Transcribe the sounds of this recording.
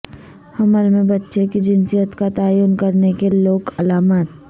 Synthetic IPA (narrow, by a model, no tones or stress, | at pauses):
hɐməlmẽbɐtːʃekid͡ʒɪnsijət̪kat̪aːjunkɐɾnekeloːkɐlaːmaːt̪̚